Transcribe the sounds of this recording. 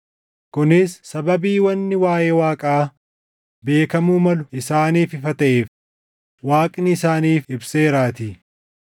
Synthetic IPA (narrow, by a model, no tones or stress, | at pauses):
kʊnɪsːɐbɐbiːwɐnːɪwaːʔe̞ːwaːkʼaː | be̞ːkɐmuːmɐlʊɪsaːniːfɪfɐt̪ɐʔeːf | waːkʼnɪɪsaːniːfɪbseːɾaːt̪iː